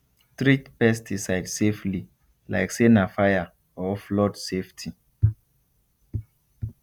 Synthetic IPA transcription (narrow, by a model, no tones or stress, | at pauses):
tɹitpɛstʰisajdsefli | la̰ɪksenafaja | ɔflɔdseftʰi